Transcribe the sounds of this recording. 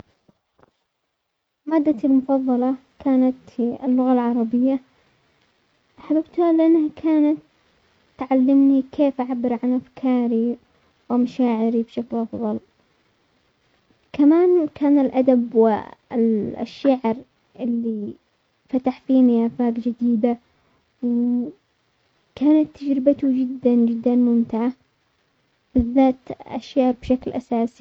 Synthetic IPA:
maːd̪ːalmʊfɑðˤːɑlɑkʰaːnat̪ɪlːʊɣalʕɑɾˤɑbɪjːa | ħababt̪halɪʔanːhakʰaːnat̪ː | ʕalːɪmnikʰeːfʔaʕabːɪɾʕanʔafkʰɑːɾi | wɪmaʃaːʕɪɾibʃaklʔɑfðˤɑl | kʰamaːnkʰaːnɪlʔad̪abwɪ̰lʔa̰ʃːaʕɪɾ | ʔɪlːi | fat̪aħfiːniʔafaːɡd͡ʒɪd̪iːd̪a | w | kaːnat̪ːad͡ʒɾɪbat̪ʊd͡ʒɪd̪ːand͡ʒɪd̪ːanmʊmt̪ɪʕa | b̥ɪðːaːt̪ʔa̰ʃːaʕɾbʃaklʔasaːsi̥

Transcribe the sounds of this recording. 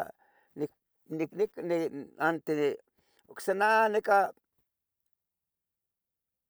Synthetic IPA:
ni | niknikneant̪ene | ksananeka

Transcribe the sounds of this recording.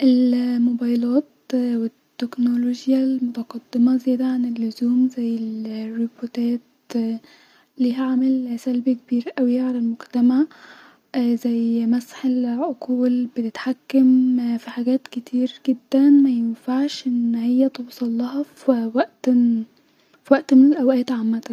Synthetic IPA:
ʔelmobɑjlɑːt̪̚wet̪ːeknoloʒjælmot̪ɑqɑd̪ːemɑzejæːd̪æʕanelːʊzuːmzæjːelrːipot̪æːt̪̚ | liːɦæʕamælsælbekebiːɾʔæwɪʕalælmoɡt̪æmaʕ | zæjmæsħelʕoquːlbet̪et̪ħakːæmfiħaɡæːt̪ket̪ʰiːɾɡed̪ːænmæjenfaʕʃʔɪnːhejːæt̪ˤobsˤɑlːɑɦɑfwæʔt̪ | fiwæʔt̪menelʔæwʔæːt̪ʕamːæt̪æ

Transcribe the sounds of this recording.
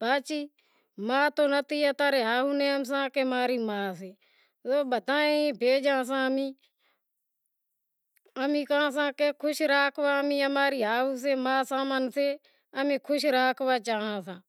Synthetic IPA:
baːt͡ʃiː | mãːt̪oːnət̪iːaːt̪aːɾeːɦaːɦũːneːəms̬ãːkeːmaːɾiːmaːseː | zoːɓət̪aːẽbʱeːd͡ʒãːs̬ãːəmiː | əmĩːkaãːs̬ãːkeːkʰʊʃɾaːkʰʋaːəmĩːəmaːɾiːaːɦuːs̬eːmãːsaːmənseː | əmẽːkʰʊʃɾaːkʰʋaːt͡ʃaːɦãːsãː

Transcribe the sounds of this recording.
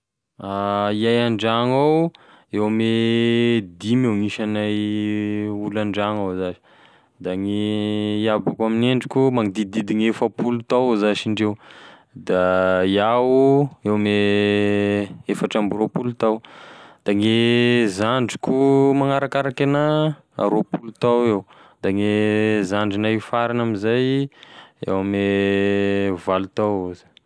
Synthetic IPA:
aiajaɳɖ͡ʐaŋaw | ewame | d̪imewŋiʃanaj | ulaɳɖ͡ʐaŋawzazi̥ | d̪aŋe | abakamineɳɖ͡ʐikʲumaŋid̪id̪id̪iŋefəpulut̪awzaʃiɳɖ͡ʐew | d̪ajawuewame | efaʈ͡ʂambiɾopulut̪awd̪̥aŋezaɳɖ͡ʐikʲumaŋaɾakaɾakena | a̰ɾopulut̪awew | d̪̥aŋezaɳɖ͡ʐinaifaɾinamizaj | ḛwame | valut̪awuzi̥

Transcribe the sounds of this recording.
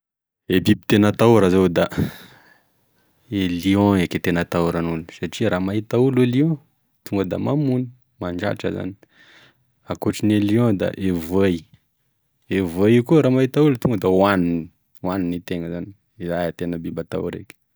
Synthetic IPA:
ebibit̪enat̪auɾəzowd̪a | eliõeket̪enət̪auɾanulunisaʈ͡ʂiɾamaɦit̪auleliõ | t̪uŋɡəd̪a̰mamuni̥ | maɳɖ͡ʐa̰ʈ͡ʂə̰za̰ni̥ | akoʈ͡ʂineliõd̪a̰ʔevej | evəjkuɾamaɦit̪aulut̪uŋɡəd̪awanin | waninit̪eŋəzani̥ | izajat̪enəbibat̪a̰ṵɾḛke̥

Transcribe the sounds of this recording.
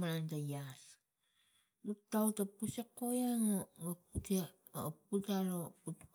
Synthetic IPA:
maɾantajas | nuk̚tawtapusekojaŋoaputia | putaloput

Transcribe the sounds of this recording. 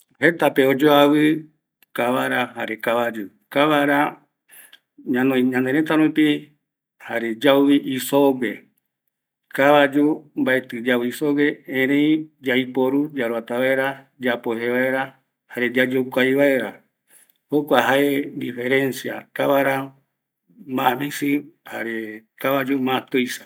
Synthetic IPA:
he̞t̪apeod͡ʒoaβɨ | kaβaɾaha̰ɾe̞kaβad͡ʒu | kaβaɾa | ɲãnõĩɲãnd̪eɾet̪aɾũpi | haɾed͡ʒawiʔisoɡe̞ | kaβad͡ʒumbaet̪ɨd͡ʒaβɨisoɡe̞ẽɾẽĩd͡ʒajpoɾud͡ʒaɾuat̪aβaeɾa | d͡ʒapoɦeβaeɾa | haɾed͡ʒad͡ʒokʷajβaeɾa | hokʷaɦaed̪ifeɾẽnsia̰k̪aβaɾa | mamĩsɨha̰ɾekaβad͡ʒumãt̪ojsḁ

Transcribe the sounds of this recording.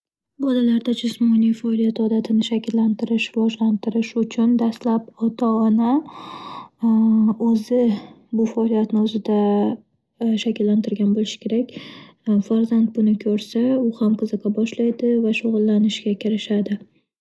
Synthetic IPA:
bɒlalaɾd̪ad͡ʒʊsmɒnijfaɒlijat̪ʰɒd̪at̪ʰɪnɪʃakʲɪlːant̪ʰɪɾɪʃvɒʒlant̪ʰɪɾɪʃʊt͡ʃʰʊnd̪ast̪lapɒt̪ʰaːna | ɵzɪ | bʊfaɒlijat̪nɪɵzɪd̪a | ʃakʲɪlːant̪ʰɪɾɡʲanbolɪʃɪ̥kʲʰe̞ɾakʲ | faɾzand̪̚bʊnɪkʲʰɵɾsaʊhamqʰɨzɨqʰɑbɒʃlajd̪ɪvaʃoʁʊlˠːanɪʃɡʲakʲʰɪɾɪʃad̪ɪ

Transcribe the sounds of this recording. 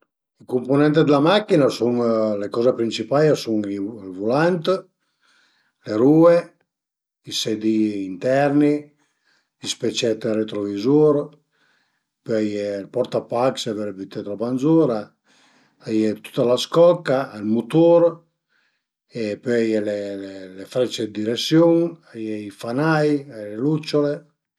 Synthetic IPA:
ikomponɛnt̪ed̪elamakːinasuŋlekɔːzepɾint͡ʃipajesuŋiilvulant̪ | leɾuːe | isɛd̪iːnt̪ɛɾni | ispet͡ʃɛt̪ːret̪ɾovizuɾ | pøajelpɔɾt̪apakseveɾbit̪et̪ɾobanzuɾa | ajet̪u̥t̪ːalaskɔkːaːlmut̪oɾ | epøajelelelefɾɛt͡ʃed̪iɾesjoŋajeifanajalelut͡ʃːole

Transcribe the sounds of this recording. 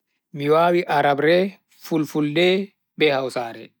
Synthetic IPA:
miwaːwiʔaɾabɾɛ | fulfuldɛ | bɛhawsaːɾɛ

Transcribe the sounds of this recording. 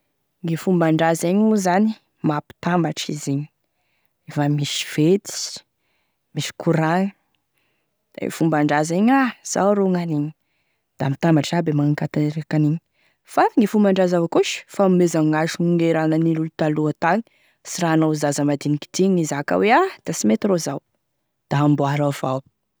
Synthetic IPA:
ŋefumbaɳɖ͡ʐazeɲuzani | mapi̥t̪ambaʈ͡ʂizeɲi̥ | efamisi̥v̥et̪i̥ | misi̥kuɾaŋ | d̪̥a̰ŋḛfumbaɳɖ͡ʐazeɲaz̥a̰ɾoŋaniɲi̥ | d̪̥amit̪ambaʈ͡ʂabemaŋaŋkat̪anɾeakaniɲi̥ | faŋifumbaɳɖ͡ʐazavakuʃfamezaŋaʃuuŋeɾanənilulut̪aluat̪aŋi̥ | siranozazəmad̪iniki̥t̪iɲizaka̰wead̪̥asimet̪irozaw | d̪̥aɦambuaɾav̥aw

